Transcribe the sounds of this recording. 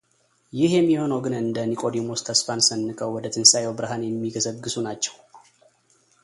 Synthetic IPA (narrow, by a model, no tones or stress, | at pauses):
jɪhjɛmːiho̞nəwɡɨnɨnd̪ənikʼo̞d̪imoskʰəsfansənːɨkʼəwwɔd̪ət̪ʰɨnsajɛwbɨɾɦanjɛmːiɡəsəɡːɨsunat͡ʃːɛw